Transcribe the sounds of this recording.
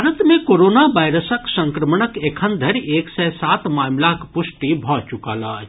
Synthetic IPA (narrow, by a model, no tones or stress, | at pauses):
ɾət̪mẽkoːɾoːnaʋaːjɾəsəksə̃ŋkɾəmɳəkekʰənd̪ʱəɾeːksɛsaːt̪maːmlakpʊsʈibʱɔt͡ʃukaːlaː